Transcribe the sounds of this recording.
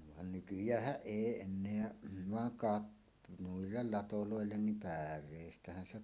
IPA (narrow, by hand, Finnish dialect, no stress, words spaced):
ʋɑn nykyjˑæːhˑæʔ ʔeˑi enːeæ ʋɑŋ kɑt nuilːel lɑtoloˑelːen nim pærˑeˑistæhæn se